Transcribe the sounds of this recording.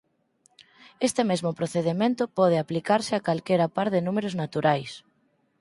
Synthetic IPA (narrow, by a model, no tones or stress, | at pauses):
est̪emezmopɾoθeðemẽnt̪ʊpɔð̞eaplikaɾsɪakalkeɾapaɾðenũmeɾʊznat̪uɾajs